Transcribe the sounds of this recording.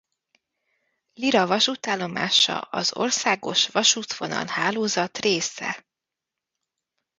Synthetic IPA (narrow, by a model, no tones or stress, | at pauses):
liɾɒvɒʃut̪aːlːo̞ma̰ːʃɒ̰ɒzo̰rsaːɡo̞ʃʋɒʃut̪vo̞nɒ̰nhaːloːzɒt̪reːsɛ̰